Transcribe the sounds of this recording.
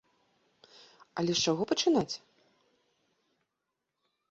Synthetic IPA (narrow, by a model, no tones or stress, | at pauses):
ɐ̰lʲɛʂt͡ʂaɣɔpɐt͡ʂɨnat͡sʲ